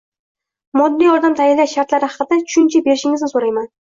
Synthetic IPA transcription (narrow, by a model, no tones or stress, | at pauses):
mɒd̪ːijɒɾd̪amt̪ʰajalːaʃaɾt̪laɾɪhɑqɨd̪at͡ʃʰʊ̥ʃʊnt͡ʃʰɪbe̞ɾɪʃɪŋɪznɪsoɾajman